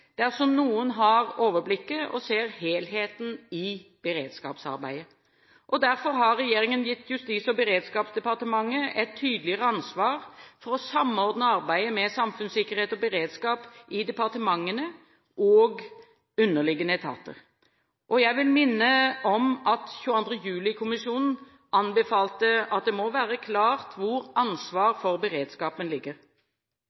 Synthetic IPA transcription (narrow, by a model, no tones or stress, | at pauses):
d̪̥æɾsɔmnuːənɦɑɾoːʋəblɪkːəʔɔ̰seːɾheːlɦeːt̪n̩ɪb̥əɾeːd̪skɑ̰ːpsɑ̰ɾbæ̰ɪə | ʔɔd̪æɾfɔɾɦɑɾːɛjeːɾɪŋənjɪt̪ːjʉst̪iːsɔbəɾeːd̪skɑːpsd̪ɛpɑɾt̪əmɑŋːəʔɛt̪ʰːyːd̪lɪəɾəɑnsʋɑːɾfɔɾɔsɑmɔɾd̪nəɑɾbæɪəmɛsɑmfʉnsɪkːəɾheːt̪ɔbəɾeːd̪skɑːpʔɪd̪ɛpɑʁt̪əmɑŋːənə | ʔɔːɡ | ʉnːəʁlɪɡənəɛt̪ʰɑ̰ːt̪ə̰ʁ | ʔɔjæɪʋɪlmɪnːəʔɔmʔɑt̪çʉːɑnd̪ʁəjʉːlɪkʰʊmɪsuːnn̩ | ʔɑnbəfɑːlt̪əɑt̪̚d̪ɛmɔʋæːɾəkʰlɑːʁt̪ʰʋʊɾɑnsʋɑːɾfɔʁbəɾeːd̪skɑːpənlɪɡːəʁ